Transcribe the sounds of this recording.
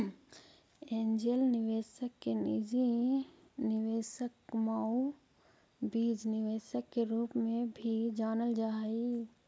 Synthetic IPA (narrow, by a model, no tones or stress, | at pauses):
ẽːnd͡ʒelnɪʋeːsəkːenɪd͡ʒi | nɪʋeːsəkmaːu | biːd͡ʒnɪʋeːsəkːeɾuːpmẽbʱid͡ʒaːnəld͡ʒaːi